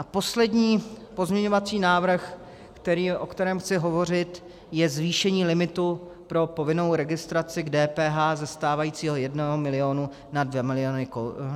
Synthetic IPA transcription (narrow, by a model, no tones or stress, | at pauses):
ʔapo̞slɛdɲiːpo̞zmɲɛɲo̞vat͡siːnaːvr̩x | kt̪ɛɾiːʔo̞kt̪ɛɾɛːmxt͡sɪɦo̞vo̞r̝ɪt̪ | jɛzviːʃɛɲiːlɪmɪt̪u | pɾo̞po̞vɪno̞wɾɛɡɪst̪ɾat͡sɪɡdɛːpɛːɦaːzɛst̪aːvajiːt͡siːɦo̞jɛdnoɦomɪlɪo̞ːnu | nadvjɛmɪlɪonɪko